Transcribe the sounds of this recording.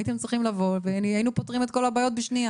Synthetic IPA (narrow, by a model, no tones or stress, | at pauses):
it̪emt͡sʁiχimlavo̞lvenainupotʁimet̪̚ko̞labaːjo̞t̪̚beʃnia